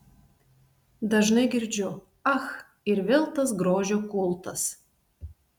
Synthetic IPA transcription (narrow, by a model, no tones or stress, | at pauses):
d̪ɐʒnɐɪɡʲɪɾʲd͡ʒʲʊ | ɐx | ɪɾʋʲelˠt̪ɐsɡɾoːʒʲoːkʊlˠt̪ɐs